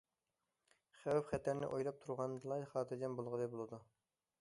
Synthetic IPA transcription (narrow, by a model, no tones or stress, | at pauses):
χæwɛpχɛt̪ʰæɾnɪ̰ʔojlˠɑp̚t̪ʰuɾʁɑnd̪ɨlˠɑjχɑːt̪ʰɨd͡ʒɛnbolˠʁəd̪ɛbolˠɨd̪u